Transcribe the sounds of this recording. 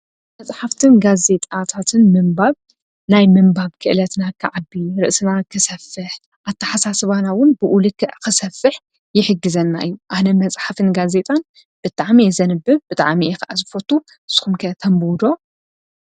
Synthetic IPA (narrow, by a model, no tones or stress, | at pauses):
mɐt͡sʼħaft̪ʰɨnɡaze̞t̪ʼat̪ʰat̪ʰɨnmɨmbaβ | najmɨmbaβkʰɨʔɨlɐt̪nakʰɨʕabːiɾɨʔsɨnakʰɨsɐfːɨħ | ʔat̪ʰːɐħasasɨβanawʊnbɨʔulɨkʰːɨʔkɨsɐfɨħ | jɪħɨɡːɨzɐnːa̰ʔɨjːuʔanɐmɐt͡sʼħafɨnɡaze̞t̪ʼan | b̥ɨt̪ʼaʕmizɐnɨbːɨβbɨt̪ʼa̰ʕmiɛkɨʔazɨfot̪ʰu | ɨsɨ̥xumkʰɐt̪ʰɐmbuwd̪o̞